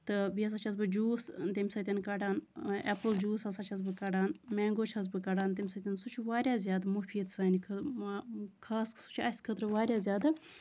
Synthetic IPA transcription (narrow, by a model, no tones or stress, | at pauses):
t̪ɨbiɐs̬ɐt͡ʃʰɐs̬bɨd͡ʒuːst̪emʲisɐt̪ʲɐnkɐɖaːnepɨld͡ʒuːsɐsɐt͡ʃʰɐz̬bɨkɐɖaːnmeːŋɡot͡ʃʰɐz̬bɨkɐɖaːnt̪̬imʲsɐt̪ʲɐnsut͡ʃʰuʋaːɾʲjaːzʲjaːd̪mufʰiːd̪saːnʲikʰ | kʰaːssu̥t͡ʃʰɐsʲkʰət̪ɾɨʋaːɾʲjaːzʲjaːd̪ɨ